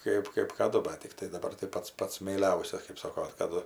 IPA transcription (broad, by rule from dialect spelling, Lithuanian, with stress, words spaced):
ˈkɐɪp kɜp kɐˈdʊ bɐt tʲɪkˈtɐɪ dɐˈbɐr tɐɪ ˈpɐts ˈpɐts mʲɛɪˈlʲɛʊsʲɛs kɜp ˈsoːkoː kɐˈdʊ